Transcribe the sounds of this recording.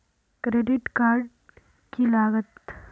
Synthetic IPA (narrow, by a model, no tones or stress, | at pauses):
kɾeɖiʈkaɾɖ | kilaːɡət̪